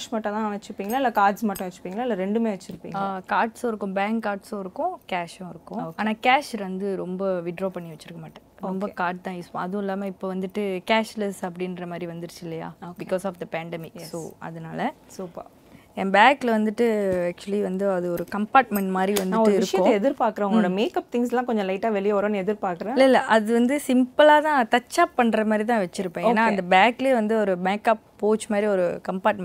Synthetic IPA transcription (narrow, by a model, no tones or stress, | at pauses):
ʃmaːʈːɐ̃t̪ãːnɐt͡ʃːɯɾɯpːiːŋɡɐlaːɪlːɐkaːɾɖsmaːʈːʊ̃ʋɐt͡ʃːɯ̥pːiːŋɡɐlaːɪlːɐɾɛɳɖɯmeːʋɐt͡ʃːɪɾɯpːḭŋɡɐkaːɾʈsõɪɾɯkːʊ̃baːŋkːaːɾʈsõːɪɾɯkːʊ̃kaːʃõɪɾɯkːʊ̃aːnaːkaːʃʋɐnd̪ɯɾɔmbɐʋɪɖɾoːpɐɳːiʋɐt͡ʃːɯɪɾɯkːɐmaːʈːɐ̃ɾɔmbɐkaːɾɖ̚t̪ãːjɪsɐðʊ̃ɪlːaːmɐɪpːoʋɐnd̪ɯʈːɯkaːʃlɛsɐp̬ːɐɽɪnɾɐmaːd̪ɾiʋɐnd̪ɯɾɯt͡ʃːɪlːɐja̰ːoːbɪkːoːsɔːfd̪ɐpæːɳɖɛmɪksoːɐ̰ðɐnaːlɐsuːpɐ̰ | ɛnbaːklɐʋɐnd̪ɯʈːɯæːk̚t͡ʃʊɐliʋɐnd̪ɯɐðɯɔɾɯkɐmpaːɾʈ̚mɛɳʈmaːd̪ɾiʋɐndnɯ̃ːɔːɾɪɾɯkʂɐjɐ̃ɛðɪɾpaːɾkɾɐ̃ʊŋɐɭoːɽɐmeːkɐp̚t̪ɪŋs̬lãːkɔɲd͡ʒɔ̃lɐɪʈːaːʋɛɭɪjɐɔɾõːnɛðɪɾpaːɾkɯɾɐ̃ɪlːɐɪlːɐʔɐðɯʋɐnd̪ɯsɪmpɐlaːt̪ãːt̪ɐt͡ʃːaːpːɐɳːɾɐmaːd̪ɾit̪̬ãːʋɛt͡ʃːɪɾɯpːõːenːaːɐnd̪ɐbaːkleʋɐnd̪ɯɔɾɯbaːkɐːpːoːt͡ʃmaːd̪ɾiɔɾɯkɐmpaːɾʈ̚mɛ̃